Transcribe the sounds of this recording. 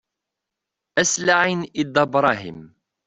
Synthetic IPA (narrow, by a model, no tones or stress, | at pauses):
ʔæslaʕinʔɪd̪ɑbɾˤɑːɦḭm